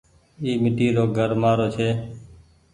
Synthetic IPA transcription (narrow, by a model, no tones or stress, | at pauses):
iːmɪʈiːɾoːɡʱəɾmaːɾoːt͡ʃʰeː